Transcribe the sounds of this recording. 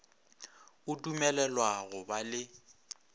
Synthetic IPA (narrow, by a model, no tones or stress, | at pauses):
ʊtʼumɛlɛlwaɣʊbalɪ